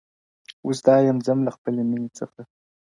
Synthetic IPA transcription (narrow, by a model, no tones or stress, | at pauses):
usd̪ɑːjamzamlaxpəleminet͡səxa